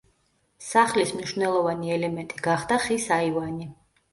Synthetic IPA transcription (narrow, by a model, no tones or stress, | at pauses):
saχlismniʃvnɛlˠɔvaniɛlɛmɛnt̪ʼiɡaχd̪aχisaivani